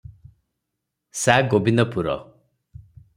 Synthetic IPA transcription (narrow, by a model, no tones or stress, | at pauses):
saɡobind̪ɔpuɾɔ̰